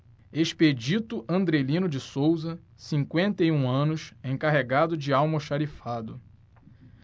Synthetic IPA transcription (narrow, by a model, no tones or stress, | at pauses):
eʃped͡ʒit̪ʊʔɐ̃nd̪ɾelĩnʊd͡ʒɪsowzɐ | sĩŋkwẽnt̪ejũɐ̃nʊʃẽj̃kaɦeɡad̪ʊd͡ʒɪawmɐʃaɾifad̪ʊ